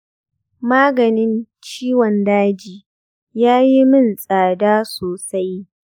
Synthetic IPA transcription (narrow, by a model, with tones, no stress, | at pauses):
maː˦ɡɐ˨nɪ˦nt͡ʃiː˦wɔ˨ndaː˦d͡ʒiː˨ | jaː˦ji˦mɪ˦˨nsʼaː˨daː˦soː˨sa˦j